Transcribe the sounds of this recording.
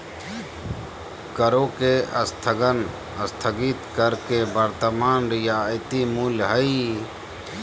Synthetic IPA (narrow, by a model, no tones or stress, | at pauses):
kəɾoːkeʔəst̪ʰəɡən | əst̪ʰəɡit̪kəɾkebəɾt̪əmaːnɾɪjaːɪt̪imuːlɦəi